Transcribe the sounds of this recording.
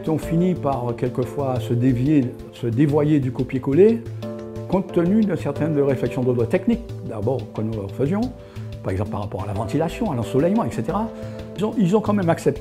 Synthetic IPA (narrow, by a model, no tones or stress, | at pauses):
t̪ɔ̃finipaʁkʲɛlkəfwasəd̪evje | səd̪evwajed̪ykopjekole | kɔ̃t̪ːənyd̪ɛ̃sɛʁt̪ɛnɔ̃md̪əʁeflɛksjɔ̃d̪od̪ʁət̪ɛknikd̪abɔʁkənulə̰ʁfəzjɔ̃ | paʁɛɡzɑ̃plpa̰ʁːapɔʁalavɑ̃t̪ilasjɔ̃alɑ̃sulɛjmɑ̃ɛkset̪eʁaizɔ̃ʔilzɔ̃kɑ̃mɛmaksɛp̚t̪